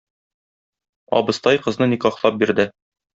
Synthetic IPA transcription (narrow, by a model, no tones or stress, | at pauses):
ɒ̰bɤ̆st̪ɑjqɤ̆znɤnikɑχlˠɑp̚biɾd̪ɘ